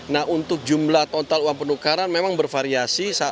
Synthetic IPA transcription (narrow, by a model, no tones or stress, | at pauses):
nahunt̪ʊk̚d͡ʒumlaht̪ɔnt̪aluwaŋpənukaɾanmemaŋbərfaɾiasisa